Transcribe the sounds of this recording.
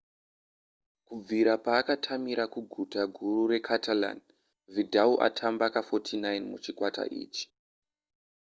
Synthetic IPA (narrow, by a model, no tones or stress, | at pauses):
kub͡viɾapaːkatʰamiɾakuɡʱutaɡʱuruɾe̞kʰatʰala̰n | vidʱauʔa̰tʰambakafotʰinajnmut͡ʃikwata̰ʔḭːt͡ʃi̥